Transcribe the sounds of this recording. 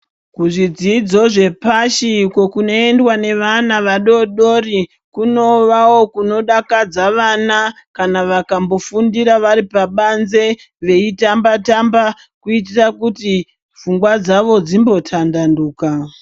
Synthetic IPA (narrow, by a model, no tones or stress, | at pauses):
kuʐid͡zid͡zo̞ʐe̞paʃiko̞kuno̞endwane̞ʋanaʋaɗo̞ɗo̞ri | kuno̞ʋawo̞kuno̞ɗakad͡zaʋana | kanaʋakambo̞fundiɾaʋaɾipaɓanze̞ | ʋe̞itambatamba | kuitirakuti | fuŋɡwad͡zaʋo̞d͡zimbo̞tʰandanduːka